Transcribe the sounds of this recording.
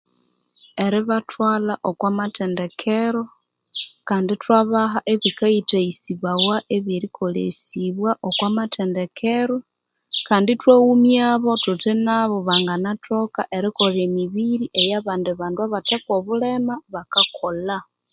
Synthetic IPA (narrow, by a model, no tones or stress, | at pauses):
e̞ɾiβatʰwaːlaʔokwamatende̞kʰeɾo̞ | kaːnditwaβaɦaʔe̞βikaitaisiβawaʔeβjeɾikʰo̞lḛsiβwaʔokwaːmatʰende̞kʰeɾo̞ | kaːnditwaumjaːβo̞tutinaβo̞βaŋɡanatʰo̞ka̰ʔe̞ɾiko̞lemiβiɾiʔejaβaːndiβaːnduaβatekoβulemaβakakʰo̞la